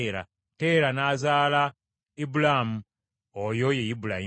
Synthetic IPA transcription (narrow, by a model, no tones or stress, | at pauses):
ɾa̰ | te̞ːɾanaːzaːla | ibulamu | ojo̞jejibulai